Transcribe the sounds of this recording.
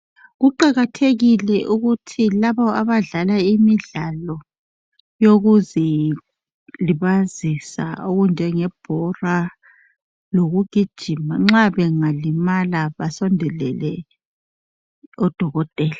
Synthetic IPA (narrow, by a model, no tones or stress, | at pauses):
ɣuǃaɣatʰeɣilɛʔuɣutʰilaβɔaβaɮalaimiɮalɔ | joɣuzɛ | liβazisa̰oɣund͡ʒʱɛŋɛb̥ʱɔra | loɣuɡ̥ʱid̥ʒ̥ʱimaŋ͡ǁaβɛŋalimalaβasɔndʱɛlɛ̰lɛ | ɔd̥ʱɔɣɔtʼɛːla